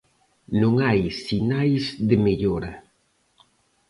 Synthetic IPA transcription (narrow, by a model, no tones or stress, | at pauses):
nõŋajsinajzðɪmeʎoɾɐ